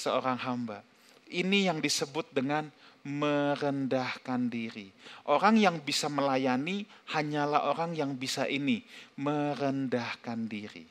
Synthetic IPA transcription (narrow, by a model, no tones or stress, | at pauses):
səoɾaŋɦamba | inijaŋdisəbʊt̪̚dəŋanməɾəndahkandiɾiʔoɾaŋjaŋbisaməlajanihaɲalaɦoɾaŋjaŋbisaʔiniməɾəndahkandiɾḭ